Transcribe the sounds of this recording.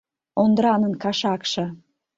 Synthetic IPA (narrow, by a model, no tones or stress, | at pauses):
ond̪ɾɑnənkɑʃɑkʃɤ̆